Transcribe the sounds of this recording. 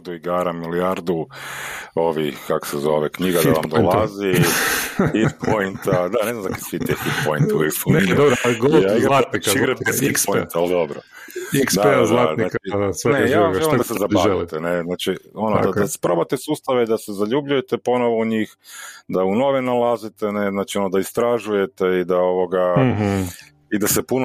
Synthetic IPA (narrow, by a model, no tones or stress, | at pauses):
d̪uiɡaːɾamiliaɾd̪u | o̞ʋikako̥sezo̞ʋekɲiɡad̪a̰a̰md̪olˠazi | it̪pʰojint̪ad̪ane̞znamzakisit̪ifit̪pojnt̪uikspund̪obɾaɡoaiɡlat̪nikʃiɾabezikpont̪aald̪obɾo̰ | iksd̪aed̪lanaːkt͡ʃisnejʒaamelimd̪asezabait̪eneznaːt͡ʃio̞nod̪aaspɾo̞bat̪esuːst̪aʋeid̪asezaʎubʎuje̞t̪epo̞noʋo̞uɲixd̪auno̞ʋinalˠazit̪eneznat͡ʃio̞nod̪aist̪ɾaʒuje̞t̪eid̪aoʋoɡa | id̪asepuno